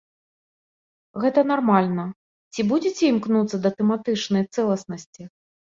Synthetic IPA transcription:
ɣɛt̪ɐnarmalʲnɐ | t͡sʲibud͡zʲit͡sʲɛimknut̪sːɐd̪ɐt̪ɛmat̪ɨt͡ʂnɐjt̪sɛlˠɐsnɐsʲt͡sʲi

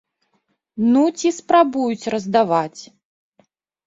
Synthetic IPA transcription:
nut͡sʲispɾabujut͡sʲrɐzd̪avat͡sʲ

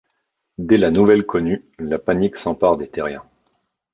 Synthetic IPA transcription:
d̪ɛlanuvɛlkʰɔnylapaniksɑ̃paʁd̪et̪eʁjɛ̰̃

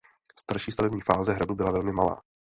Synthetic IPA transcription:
st̪aɾʃiːst̪avɛbɲiːfaːzɛɦɾadubɪlavɛlmɪmala̰ː

